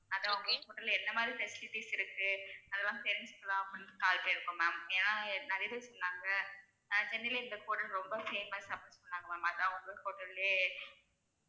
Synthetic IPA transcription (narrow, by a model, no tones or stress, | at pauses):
ɐðãːʊŋɡɐhoːʈːɐlɛnːɐmaːd̪ɾifɛsɪlɪʈːisɪɾɯkːɯɐðɛlːãːpɛɾɛnskːɐlãːɐpːɐnkaːlpɐɪɾɯkːõmaːmɛːnãːnɐɾɪjɐðɯ̃sɔlːaːŋɡɐ | ɐnad͡ʒɛnːɪlɪɾɯnd̪ɐkoːʈɐlɾɔmbɐfeːnaːsɐpɐspɐnːaːŋɡɐmaːmɐðãːʊŋɡɐkoːʈːɐleː